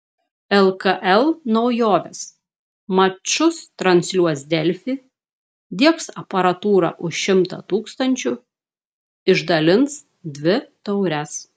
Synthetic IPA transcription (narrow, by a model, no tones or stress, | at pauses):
ɛlˠkɐʔɛlˠnɒʊjoːʋʲes | mɐt͡ʃʊst̪ɾɐnʲsʲlʲuɔsd̪ʲɛlʲfʲi | d̪ʲiɛksɐpɐɾɐt̪uːɾɐ̰ʔʊʃʃʲɪmt̪ɐ̰t̪uːkst̪ɐnʲt͡ʃʲʊ | ɪʒd̪ɐlʲɪns | d̪ʲʋʲɪt̪ɐʊɾʲɛs